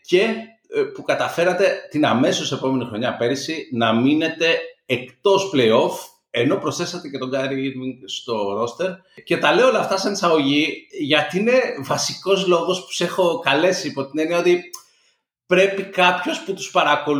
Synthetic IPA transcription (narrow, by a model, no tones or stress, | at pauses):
ce̞ | pukɐt̪ɐfe̞ɾɐt̪e̞t̪inɐme̞sose̞po̞me̞nixɾo̞ɲɐpe̞ɾisinɐmine̞t̪e̞ːkt̪o̞sple̞io̞f | e̞no̞pɾosθesɐt̪ece̞t̪o̞ŋɡɐɾiiɾmiŋɡst̪o̞ɾo̞st̪e̞ɾ | ce̞t̪ɐle̞oolɐft̪ɐsɐnisɐɣo̞ʝiʝɐt̪iine̞vɐsiko̞zlo̞ɣo̞spu̥se̞xo̞kɐle̞siːpo̞t̪ine̞niɐo̞t̪i | pɾe̞pikɐpço̞sput̪u̥spɐɾɐko̞